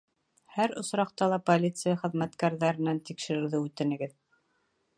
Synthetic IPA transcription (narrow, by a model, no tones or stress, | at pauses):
hæɾŏsɾɑqt̪ɑlˠɑpolʲit̪sɨjaχɘ̆ðmæt̪kæɾðæɾɘ̆nænt̪ikʃɘ̆ɾɘ̆ɾðɘʉt̪ɘ̆nɘ̆ɡɘð